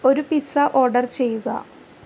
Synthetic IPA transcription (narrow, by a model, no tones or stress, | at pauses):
o̞ɾupisɐʔo̞ːrɖɐrt͡ɕe̞jːuɣɐ̰